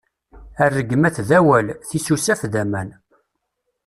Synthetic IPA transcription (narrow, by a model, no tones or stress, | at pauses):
ærːəɡəmæθðæwælθisusæfðæmæn